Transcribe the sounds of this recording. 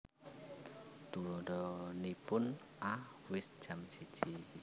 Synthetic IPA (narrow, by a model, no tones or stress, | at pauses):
t̪ulɔɖɔnipʊn | a | wɪsd̥ʒ̥amsi̥ʒ̥i